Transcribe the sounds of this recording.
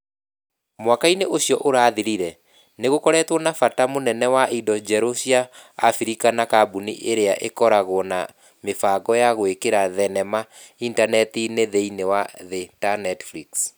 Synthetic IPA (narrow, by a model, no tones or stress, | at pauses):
mwakaineʔoɕjɔʔoɾaːðiɾiɾɛ | neɣokɔɾɛtwɔnafatamonɛnɛwaʔidɔd͡ʒɛɾosiaːfiɾikanakabuniʔeɾeaʔekɔɾaɣwɔna | mefaɡɔjaɣoekeɾaðɛnɛma | intanɛtineðeinewaðɛtanɛtfɾiks